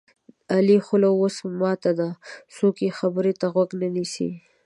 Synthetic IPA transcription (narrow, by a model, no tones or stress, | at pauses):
alixʊlawosmɑt̪ad̪asokexabəɾet̪aɣwaɡnanisḭ